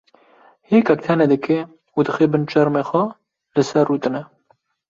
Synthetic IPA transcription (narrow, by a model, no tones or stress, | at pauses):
heːkɛk̚t̪ʰɛnɛd̪ɨke | ud̪ɨxeːbɨnt͡ʃɛɾmeːxʷɛ | lɨsɛrːuːt̪ɨnɛ